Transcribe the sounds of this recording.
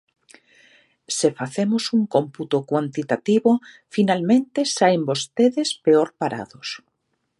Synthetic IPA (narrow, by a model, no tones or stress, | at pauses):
sefaθemosuŋkomput̪okwant̪it̪at̪iβo | finalmẽnt̪esajmbost̪eðespeoɾpaɾa̰ðʊs